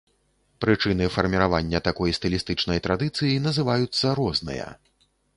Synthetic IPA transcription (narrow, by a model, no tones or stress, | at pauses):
pɾɨt͡ʂɨnɨfɐrmʲiɾavanʲːɐt̪akɔjst̪ɨlʲist̪ɨt͡ʂnɐjt̪ɾad̪ɨt̪sɨjinɐzɨvajut̪sːɐɾɔznɨ̰jɐ̰